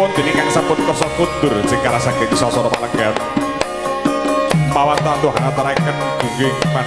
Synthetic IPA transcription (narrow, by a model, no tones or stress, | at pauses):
ʊnd͡ʒ̪̥e̤nɪkaŋsampʊt̪̚kɔsɔtund̪̥ʊrsɪŋkaɾasakemisɔsɔɾɔma̰ləŋɡat̪̚ | mawant̪ant̪uɦa̰nat̪əɾaikən | ɡ̥uɡɪma